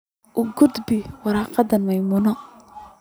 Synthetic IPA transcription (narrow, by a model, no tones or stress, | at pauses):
ʔʊɡʊd̪bɪwɑɾɑːqɑd̪ɐnmɐjmunɔ